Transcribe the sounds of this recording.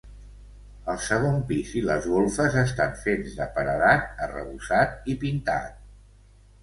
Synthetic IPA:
əlˠsəɣ̞ompiziləzɣolˠfəzəst̪aɱfenzðəpəɾəðat̪̚ərə̰βusat̪̚ipint̪a̰t̪̚

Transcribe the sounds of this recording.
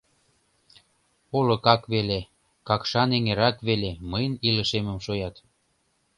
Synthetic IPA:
olŏkɑkβele | kɑkʃɑneŋeɾɑkβeleməjənilə̆ʃemə̆mʃojɑt̪

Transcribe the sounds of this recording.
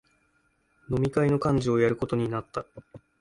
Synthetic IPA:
no̞mʲikaino̞kãɲ̟d͡ʑio̞jaɾɯ̟ko̞t̪o̞ɲ̟inat̪ːa

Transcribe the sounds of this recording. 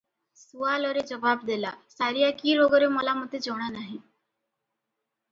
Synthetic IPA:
suaːlɔːɾed͡ʒəʋaːbd̪eːlaːsaːɾijakiːɾoːɡɔɾeməlamʊt̪et͡ʃɔːɽ̃anaːɦĩː

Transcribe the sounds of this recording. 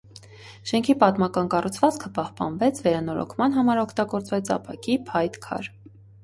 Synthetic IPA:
ʃɛŋkʰipɑt̪mɑkɑnkɑrut͡sʰvɑt͡skʰəpɑhpɑ̰nvɛt͡sʰvɛɾɑnɔɾɔ̰kʰmɑnɦɑmɑɾɔkʰt̪ɑɡɔɾt͡svɛt͡sʰɑ̰pʰɑkipʰɑjt̪kʰɑ̰ɾ

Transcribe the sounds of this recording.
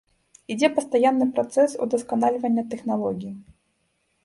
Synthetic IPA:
id͡zʲɛpɐst̪ajanːɨpɾɐt̪sɛsṵd̪ɐskanalʲɪvɐnʲːɐt̪ɛxnalˠɔɡʲiji

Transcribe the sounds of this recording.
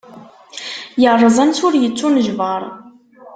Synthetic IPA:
jərˤːəzˤɑnsʊɾjət͡sːunəʒvəɾˤ

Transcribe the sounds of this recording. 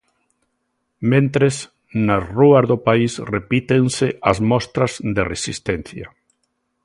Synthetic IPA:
mẽnt̪ɾes | nasruazðopaisrepit̪enseazmɔst̪ɾazd̪eresist̪en̟θja̰

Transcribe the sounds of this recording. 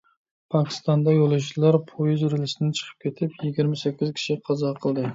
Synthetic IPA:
pʰɑkʲʰɪ̥st̪ɑnd̪ɑjolˠɨʃlˠɑɾpʰojyzɾɪlɪsɪnɪt͡ʃʰə̥qʰə̥p̚kʲʰet̪ʰɪpjiɡʲiɾmɪsɛkʲːizkʲʰi̥ʃiqʰɑzɑqʰəlˠd̪ɨ

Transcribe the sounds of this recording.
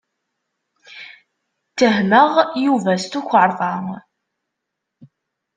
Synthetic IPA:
t̪ːəɦməʁjuvæst̪uçʷəɾˤðˤɑ

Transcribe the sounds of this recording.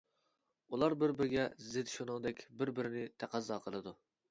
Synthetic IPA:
ulˠɑɾbɪɾbɪɾɪɡʲɛzɪd̪ʃonɨŋd̪ɛkʲbɪɾbɪɾɪnɪt̪ʰæqʰæzːɑːqʰəlˠɨd̪u

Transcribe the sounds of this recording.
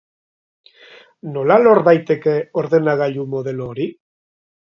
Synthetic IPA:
no̞lalo̞ɾβajt̪e̞ke̞o̞ɾðe̞naɣ̞aʎumo̞ð̞e̞loɾi

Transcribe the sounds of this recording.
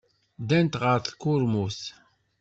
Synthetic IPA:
d̪ænt̪ʁəɾθkːʊɾmus

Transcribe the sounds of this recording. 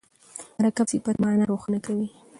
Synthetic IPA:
maɾakabsipaɾmaanaɾoxanakawi

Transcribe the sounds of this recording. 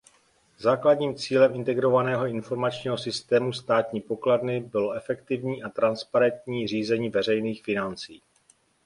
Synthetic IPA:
zaːkladɲiːmt͡siːlɛmʔɪnt̪ɛɡɾo̞vanɛːɦo̞ɪnfo̞ɾmat͡ʃɲiːɦo̞sɪst̪ɛːmust̪aːt̪ɲiːpo̞kladnɪbɪlo̞ʔɛfɛkt̪ɪvɲiːʔat̪ɾanspaɾɛnt̪ɲiːr̝iːzɛɲiːvɛr̝ɛjniːxfɪnant͡sḭː

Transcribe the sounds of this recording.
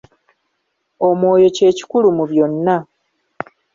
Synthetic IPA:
o̞mwo̞ːjo̞ce̞ːci̥kulumuβjo̞nːa

